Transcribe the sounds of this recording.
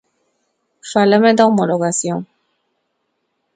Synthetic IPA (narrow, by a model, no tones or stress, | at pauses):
falamed̪aomoloɣasjõŋ